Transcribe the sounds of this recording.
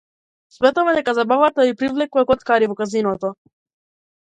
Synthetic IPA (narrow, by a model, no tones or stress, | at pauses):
smɛt̪ɔvad̪ɛkazabavat̪aipɾivlɛkuvakɔt̪kaɾivɔkazinɔt̪ɔ